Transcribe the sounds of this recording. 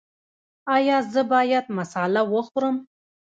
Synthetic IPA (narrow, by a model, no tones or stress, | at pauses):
ɑjɑzəbɑjad̪masɑlawəxɾəm